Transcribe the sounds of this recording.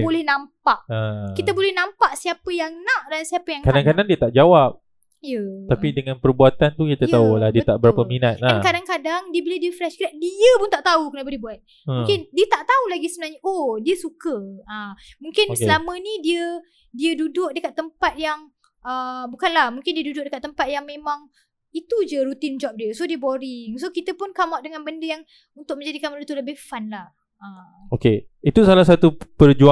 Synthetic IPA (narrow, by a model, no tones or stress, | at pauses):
bolɛhnãmpaʔəkiabolɛhnãmpaʔsiapəjaŋnãʔdansiapəjaŋkadaŋkadandiət̪aʔd͡ʒawap̚ | jət̪apidəŋãnpərbuat̪ant̪ukit̪aaulahdiət̪aʔbəɾapəminat̪̚laankadaŋkadaŋdiəbilədiəfɾɛʃkɾaʔ̪̚diəpʊnt̪aʔt̪aukənabəlihbuat̪̚ | ũŋkɪndiət̪aʔt̪aulaɡisəbənarɲəʔodiəsukəamũŋkɪnsəlamə̃nĩdiə | diədudʊʔ̚dəkat̪ːəmpat̪̚jaŋ | əbukanlahmũŋkɪndiədudʊk̚dəkat̪ːəmpat̪̚jaŋmẽmãŋ | it̪ud͡ʒəɾut̪ɪnd͡ʒɔp̚diəsodiəboɾɪŋsokit̪əpʊnkamaʔ̚dəŋãnbəndəjaŋ | unt̪ʊk̚mə̃ɲd͡ʒadikaməɾut̪uləbehfanlah | ə | oke | it̪usalahsat̪upərd͡ʒua